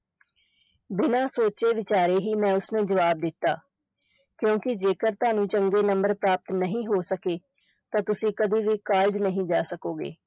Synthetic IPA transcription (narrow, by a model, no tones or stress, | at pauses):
bɪnãːsoːt͡ʃeːʋɪt͡ʃaːɾeːɦiːmɛ̃ːʊsnẽːd͡ʒəʋaːb̚d̪ɪt̪ːa̰ː | kjõːkɪd͡ʒeːkəɾt̪ʊaːnũːt͡ʃəŋɡeːnəmbəɾpɾaːp̚t̪nəɦĩːɦoːsəkeː | t̪ãːt̪ʊsĩːkəd̪iːʋiːkaːld͡ʒnəɦĩːd͡ʒaːsəkoːɡḛː